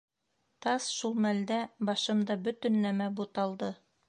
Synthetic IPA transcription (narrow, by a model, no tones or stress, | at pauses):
t̪ɑsʃulˠmæld̪æbɑʃɤ̆md̪ɑbɵ̆t̪ɵ̆nːæmæbut̪ɑlˠd̪ɤ